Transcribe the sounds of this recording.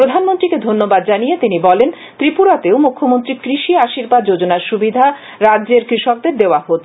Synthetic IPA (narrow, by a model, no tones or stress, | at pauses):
pɾod̪ʱanmont̪ɾiked̪ʱonːobad̪d͡ʑanijet̪inibɔlen | t̪ɾipuɾat̪eomukʰːomont̪ɾikɾiʃiaʃiɾbad̪̚d͡ʑod͡ʑonaɾʃubid̪ʱa | ɾadʑeɾkɾiʃɔk̚d̪eɾd̪eoaɦot̪